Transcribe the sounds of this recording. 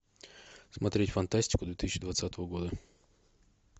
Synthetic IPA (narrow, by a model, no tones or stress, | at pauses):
smɐt̪ɾʲetʲfɐnt̪asʲtʲi̥kʊd̪ʋʲit̪ɪsʲt͡ʃʲid̪ʋɐt̪sʲat̪oʋɔɡɔd̪ɐ